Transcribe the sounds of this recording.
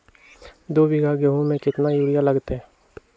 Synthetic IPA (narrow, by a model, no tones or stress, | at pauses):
d̪oːbɪɡʱaɡeɦõmẽkɪt̪najuːɽijalɐɡt̪ɦɛ̃ː